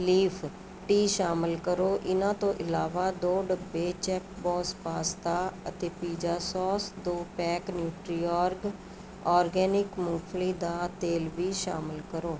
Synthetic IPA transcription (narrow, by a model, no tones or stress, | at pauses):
liːfʰ | ʈiːʃaːmɪlkəɾoːʔɪnãːt̪õːʔɪlaːʋaːd̪oːɖəbːeːt͡ʃɛːk̚bɔːspaːst̪aːə̰t̪eːpiːd͡ʒaːsɔːsd̪oːpɛːknjuːʈɾiːɔːɾɡ | ɔːɾɡɛːnɪkmuːpʰliːd̪aːt̪eːlʋiːʃa̰ːmɪlkəɾoː